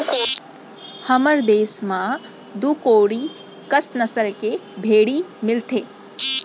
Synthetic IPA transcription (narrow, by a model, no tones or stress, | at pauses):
hɐməɾd̪eːsmã | d̪ukoːɽi | kəsnɐsəlkebʱeːɽimɪlt̪ʰeː